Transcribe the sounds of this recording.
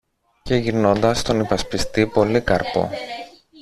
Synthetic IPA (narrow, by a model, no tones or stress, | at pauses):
ce̞ʝiɾno̞nd̪ɐst̪o̞nipɐspist̪ipo̞likɐɾpo̞̰